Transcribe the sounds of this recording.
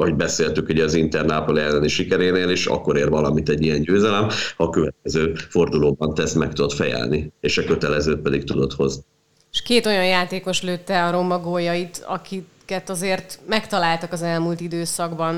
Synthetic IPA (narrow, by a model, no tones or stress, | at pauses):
ɒɦoɟbɛseːlt̪ykuɟɛɒzint̪ɛrnaːpolɛlːɛlɛniʃikɛɾeːneːleːʃɒ̰kːo̞ɾeːrvɒlɒmit̪ɛɟːijɛɲɟøːzɛlɛmhɒkøvɛt̪̚kɛzøːfo̞rd̪uloːbɒnt̪ɛsmɛk̚t̪ud̪o̞t̪fɛjɛ̰lnieːʃɒkø̞t̪ɛlɛzøːt̪̚pɛd̪ik̚t̪ud̪o̞t̪ho̞zni | ʃkeːt̪o̞jɒnjaːt̪eːko̞ʃløːt̪ːɛɒɾo̞mːɒɡojɒit̪ɒ̰kikɛt̪ɒzeːrt̪mɛkt̪ɒlaːlt̪ɒkɒzɛlmuːlt̪id̪øːsɒɡbɒn